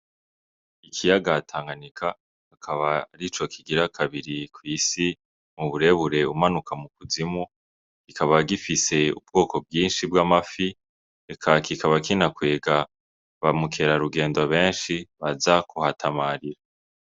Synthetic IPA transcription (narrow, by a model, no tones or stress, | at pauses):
ikʰijaɡatʰaːŋɡanikʰa | hakʰaβaɾit͡ʃo̞kʰiɡiɾakʰaβiɾikwiːsi | muβuɾe̞βuɾe̞umanukʰamukuzimu | kikaβaɡifise̞ṵb̚ɡo̞ːko̞bɡiːnʃibɡaːmafi | ekʰakikʰaβakinakwe̞ːɡa | βamukʰe̞ɾaɾuɡe̞ːndoβe̞ːnʃiβazakʰuhatʰamaːɾiɾa